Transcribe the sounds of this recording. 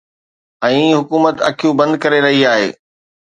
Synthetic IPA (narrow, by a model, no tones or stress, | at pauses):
ɛ̃ːɦʊkuːmət̪ɐ̰kʰijũbɐ̃nd̪kɐɾeɾɐɦiaːɦḛː